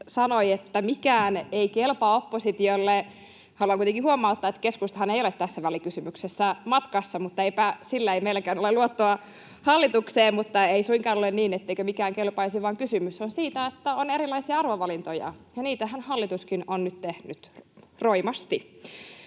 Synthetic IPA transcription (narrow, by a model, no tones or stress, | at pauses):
sɑnoiet̪ːæmikæːneikelpɑopːosit̪iolːe | hɑluɑŋkuit̪eŋkihuomɑut̪ːɑet̪ːkeskust̪ɑ̥hɑneijolet̪t̪æsːæʋælikysymyksesːæmɑt̪kɑsːɑmut̪ːɑeipæsilːæeimeilækæːnoleluot̪ːoɑ | hɑlːit̪ukseːmmut̪ːɑeisuiŋkɑːnolenniːnet̪ːeikømikæːŋkelpɑisiʋɑːŋkysymysonsiːt̪æet̪ːæoneɾilːˑɑisiɑɑrʋoʋɑlint̪ojɑ̰jɑniːt̪æhænhɑlːit̪uskinonnyt̪t̪ehnyt̪roimɑst̪i